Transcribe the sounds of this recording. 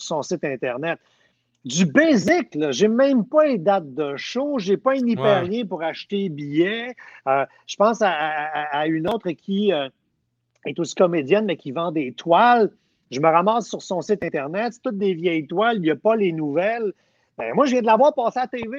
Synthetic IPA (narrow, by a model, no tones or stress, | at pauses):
sɔ̃sɪt̪ɛ̃t̪ɛʁnɛt̪̚ | d̪d͡z̪ybezɪklɔʒemɛ̃mpʌled̪at̪̚d̪əʃoʒepɔɛ̃nipɛːʁjɛ̃puʁaʃt̪ebijɛø | ʒ̥ə̥pɑ̃saː | ynoːt̪χəkʲʰiø | ɛt̪osi̥kɔmed͡zzjɛnmɛkʲivɑ̃d̪et̪wal | ʒəməʁamɑːsːyʁsɔ̃sɪt̪ɛ̃t̪ɛʁnɛt̪t̪ːʊt̪̚d̪evjɛjt̪waljəpʌlenuvɛl | bɛ̰̃mwaʒəvjɛ̃d̪əlavwaːʁpɑːseat̪eve